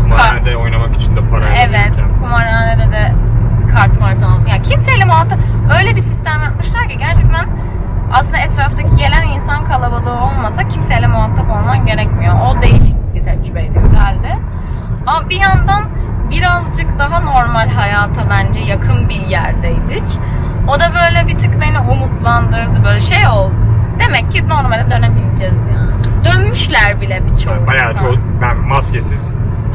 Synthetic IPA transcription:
kʰumned̪ɛo̞jnamaki̥t͡ʃʰind̪ɛpʰaɾaɛvɛt̪kʰumaɾaned̪ɛd̪ɛkʰaɾt̪maɾd̪ʰajacʰimselʲɛmuɦat̪ʰːaø̞jlʲebisist̪æmjakmɯʃt̪ˠaɾcʰaɟæɾt͡ʃʰɛc̚t̪ʰæn | a̰sɯnd̪aɛt̪ɾaft̪ʰacʰiɟe̞lʲæninsankʰalˠabalˠɯːo̞lˠmasacʰimselʲɛmuɦat̪ʰːapo̞lˠmanɟe̞ɾɛcmijo̞ʔod̪e̞jiʃic̚bit̪ʰɛɾd͡ʒybeed̪imsælʲd̪ɪ | amabijand̪an | biɾazd͡ʒɯkd̪aɦano̞ɾmalʲɦajaːt̪ʰabænd͡ʒɛjakʰɯnbijæɾd̪ɛid̪ic | o̞d̪abø̞jlʲɛbit̪ʰɯknajnɯɦumut̪lˠand̪ɯɾd̪ɯbøjlʲɛʃejo̞lˠd̪e̞mɛcːino̞ɾmalʲd̪ɛd̪ønɛmild͡ʒɛzjaːnd̪ø̞nmyʃlʲæɾbilʲɛbit͡ʃʰoajad͡ʒo | bænmascesiz

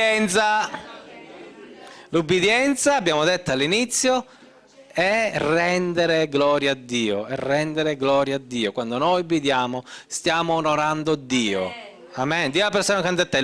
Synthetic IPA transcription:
ɛnt̪sa | lubːid̪jɛnt̪saːbːjaːmod̪et̪ːalːinit̪sːjo | ɛrɛnd̪eɾeɡlɔːɾjaːd̪ːiːoɛrːɛnd̪eɾeɡlɔːɾjaːd̪ːiːokwand̪onɔjubːid̪jaːmost̪jaːmoːnoɾand̪od̪ːiːo | amɛnd̪iːoapeɾsoːnakant̪at̪ːɛ

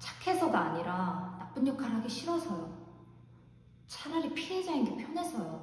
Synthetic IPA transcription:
t͡ɕḁkʰe̞sʰʌɡaaɲiɾanap͈ɯɲːʌkʰaɾɦaɡeɕʰiɾʌsʰʌ | t͡ɕʰaɾaɾipʰie̞d͡ʑainɡepʰjʌnɦe̞sʰʌjo

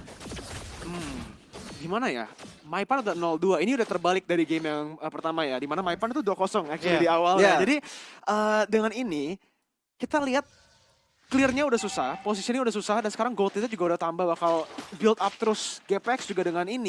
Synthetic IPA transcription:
m̩ | ɡimanaja̰maipanudanɔlduainiudaht̪ərbalɪk̚daɾiɡemjaŋəpərt̪amajadimanamaipant̪uduakosɔŋɛk̚t͡ʃwalidiawaljad͡ʒadiʔəːdəŋanini | kit̪aliɦat̪̚ | klɪrɲaudahsusahposisinaudahsusahdansə̥kaɾaŋɡolt̪kit̪ad͡ʒuɡaudaht̪ambawahkalbɪlt̪ap̚t̪əɾʊsɡɛpɛksd͡ʒuɡadəŋanini

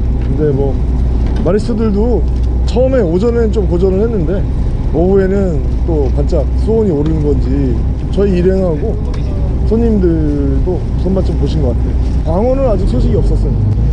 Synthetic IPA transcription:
kɯnde̞mwʌ | maɾistʰɯdɯɭdo | t͡ɕʰʌɯme̞od͡ʑʌne̞t͡ɕomkod͡ʑʌnɯɭhe̞nːɯnde̞ | ʌbue̞nɯn | t͈okant͡ɕ͈ak̚s͈ʰuoɲioɾɯnɯnɡʌnd͡ʑi | t͡ɕʌiːɾɦe̞ŋɦaɡo | sʰʌɲimdɯɭ | ɭdo | sʰʌnmat͡ɕ͈ompoɕʰinɡʌk͈atʰe̞jo | kaŋwʌnɯɾad͡ʑik̚sʰoɕ̬ʰiɡiʌp̚s͈ʌs͈ɯjo

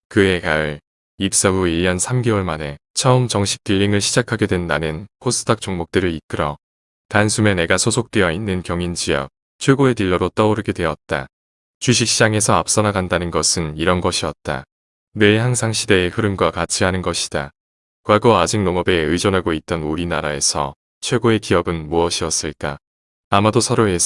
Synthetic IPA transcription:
kɯe̞kaɯɭ | ip̚s͈aɡuiʎːʌnsʰamɡewʌɭmane̞ | t͡ɕʰʌɯmt͡ɕʌŋɕʰi̥k̚t͈iʎːiŋɯɭɕʰid͡ʑakʰaɡe̞dwe̞nːanɯnpʰosʰɯ̥tʰak̚t͡ɕ͈oŋmok̚t͈ɯɾɯɭik͈ɯɾʌ | tansʰume̞ne̞ɡasʰosʰok̚t͈wejʌinːɯnkjʌŋind͡ʑijʌ̰k̚ | t͡ɕʰeɭɡoetiʎːʌɾot͈ʌoɾɯɡedwe̞ʌt̚t͈a̰ | t͡ɕiɕ̬ʰik̚ɕ͈ʰid͡ʑaŋe̞sʰʌap̚s͈ʌnaɡandanɯnɡʌsʰɯniɾʌnɡʌɕʰiʌt̚t͈a̰ | ne̞ːhaŋsʰaŋɕʰide̞ːkɯɾɯnɡwakat͡ɕʰiɦanɯnɡʌɕʰi̥d̥a | kwaɡoad͡ʑiŋ̚noŋʌbe̞ɯd͡ʑʌnɦaɡoit̚t͈ʌnuɾinaɾae̞sʰʌ̰ | t͡ɕʰwe̞ɡoe̞kiʌbɯnmuʌɕʰiʌs͈ɯɭk͈a | amadosʰʌɾoe̞s

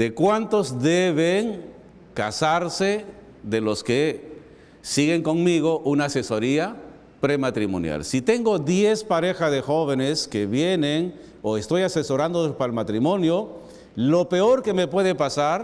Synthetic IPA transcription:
d̪ekwant̪o̞zðeβeŋ | kasaɾse | ðelo̞ske | siɣe̞ŋko̞ŋmiɣo̞ʔunaːse̞so̞ɾia | pɾemat̪ɾimo̰nja̰lsit̪e̞ŋɡo̞ðje̞spaɾe̞xaðexo̞βeneskeβjeneŋ | oest̪o̞jase̞so̞ɾand̪opalmat̪ɾimo̞njo | lo̞pe̞o̞ɾke̞me̞pwe̞ðepasaɾ

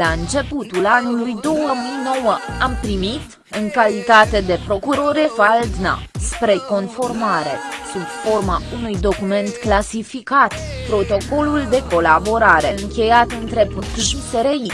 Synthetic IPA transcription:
laɨnt͡ʃe̞put̪ulanulujd̪o̞wəmɨjno̞wəampɾimit̪ | ɨŋkalit̪at̪e̞d̪e̞pɾo̞kuɾo̞ɾefald̪na̰spɾe̞ko̞nfo̞rmaɾe̞̰subfo̞rmaunujd̪o̞kume̞nt̪klasifikat̪pɾo̞t̪o̞ko̞luld̪e̞ko̞labo̞ɾaɾe̞ɨŋkʲe̞jat̪ɨnt̪ɾe̞put̪ʒut̪eɾei

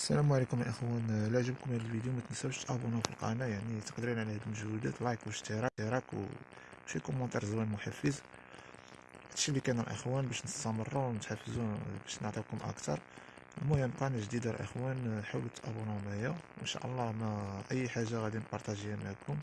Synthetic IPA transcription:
sːælæmʕlikʊməlʔəxwænlaʕʒəbkʊmæəlvid̪jumæt̪nəsæbʃt̪ʔæbunafilqɑ̰næjaʕnit̪ə̥qd̪əɾinʕlæhd̪məʒhud̪æt̪lɑjkwəʃt̪iɾˤɑiɾˤɑkw | fikʊmːɑnt̪ˤɑɾˤzwænmʊħafːəz | bæt̪ʃilikænəlʔə̰xwænbæʃnəst̪ɑmərˤːuwnət̪ħafːəzubæʃnəʕt̪ˤib̚kʊmʔə̰kt̪ɑ̰ɾˤʔmːujæmqɑnæʒd̪id̪alʔə̰xwænħawlut̪ːʔæ̰bunmahjæwʔə̰nʃa̰ʔə̰lˤːɑmæʔəjːħaʒːaɣæd̪inpɑɾt̪æʒihæmaʕkʊm

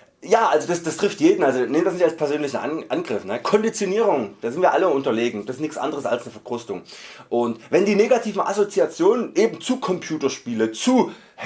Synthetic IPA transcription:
jaːʔalzod̥asd̥astʁ̥ɪftjeːdn̩ʔalzonɪmndasnɪçtalspʰɛɐzøːnlɪçn̩ʔa̰nʔanɡʁɪfnəkʰɔndit͡sjoniːʁ̞ʊŋd̥aːzɪntviːɐʔaləʔʊntɐleːɡŋ̩d̥asɪstnɪçsʔa̰ndəʁəsa̰lsnəfɛɐkʁ̥ʊstʊŋʔʊntvɛndiːneːɡatʰiːvn̩ʔa̰zot͡siat͡sjoːnənʔeːbm̩t͡suːkʰɔmpʰjuːtɐʃpiːlət͡suː

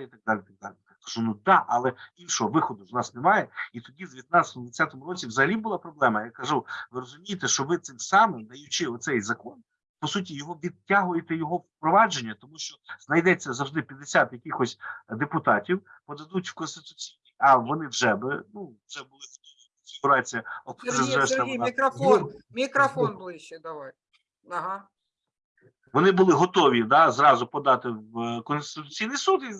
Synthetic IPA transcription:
it̪ɐɡ̚d̪ɑlʲɪit̪ɐɡ̚d̪a̰lʲɪjakɐʒ̥unud̪ɑʔɐlˠɛinʃɔɦɔʋɪxɔd̪ʊznɑsnɛmɑjɛit̪ɔdʲid̪ʲeɪʋjɐt̪nɑsʲɐ̥t̪ɔmʊd̪ʋɐsʲat̪ɔmʊɾɔt͡sʲiwzɐɦɐlʲibʊlˠɑpɾɔblˠɛmɐjakɐʒuʋɪɾɔzʊmʲijɪt̪ɛʃt͡ʃɔʋɪt̪sɪmsɑmɪmd̪ɐjʊt͡ʃɪɔt̪sɛjzɐkɔn | pɔsut̬ʲijɔɦɔʋʲid̪̚tʲːaɦʊjet̪ɛjɔɦɔwpɾɔʋɑd͡ʒenʲːɐt̪ɔmuʃt͡ʃɔz̥nɐjd̪ɛt͡sʲːɐzɐwʐd̪ɪpʲjɐd̪esʲat̪jɐkʲixɔsʲtʲd̪epʊt̪ɑtʲiwpɔd̪ɐd̪utʲw̥kɔnst̪ɪt̪ʊ̥t͡sʲijnʲijɐʋɔnɪwʒɛbɪnuwʒ̥ɛbʊlˠɪɦɔt̪ɔʋʲikɔnfʲiɡʊɾɑt͡sʲijɐɔp̪ɛzɾɛʃt̪ɐmnkɾɐfɔnmʲikɾɐfɔnblˠɪʃɛd̪ɐʋɑj | ɐɦɑ | ʋɔnɪbʊlˠɪɦɔt̪ɔʋʲid̪ɑzɾɑzʊpɔd̪ɑt̪ɪwkɔnst̪ɪt̪ʊ̥t͡sʲijnɪjsud̪i

